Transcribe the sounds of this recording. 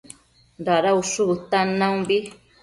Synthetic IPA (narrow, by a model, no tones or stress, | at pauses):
ɾaɾauʂuβut̪anãũbi